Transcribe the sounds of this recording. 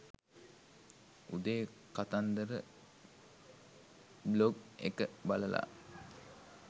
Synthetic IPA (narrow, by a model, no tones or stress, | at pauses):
ud̪ej | kat̪and̪əɾə | bloɡekəbaləla̰